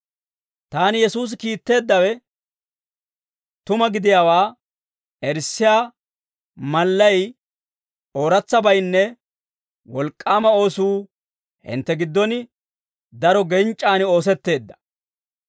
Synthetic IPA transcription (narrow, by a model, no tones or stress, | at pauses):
t̪aːnɪjɛsuːs̬ɪkiːt̪ːe̞ːd̪ːɐwɛ | t̪ʊmɐɡɪd̪ɪjaːwaː | ɛɾsːɪjaː | mɐlːɐj | o̞ːɾɐt͡sːɐbɐjnːɛ | wɔlkʼːaːmɐo̞ːsuː | hɪ̰nt̪ːɛɡɪd̪ːɔnɪ | d̪ɐɾɔɡɛnt͡ʃʼːaːnɪo̞ːs̬ɛt̪ːe̞ːd̪ːɐ̥